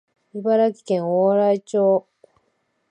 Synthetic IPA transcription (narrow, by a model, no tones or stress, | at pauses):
ibaɾakʲi̥kẽŋoːɾait͡ɕoː